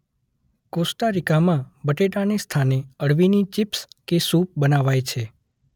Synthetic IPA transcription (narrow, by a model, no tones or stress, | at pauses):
kosʈaɾikamãbəʈeʈanest̪ʰaneəɽʋinit͡ʃɪpskesup̚bənaʋajt͡ʃʰe